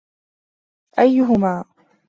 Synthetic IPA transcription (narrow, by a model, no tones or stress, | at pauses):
ʔajːʊɦʊmaː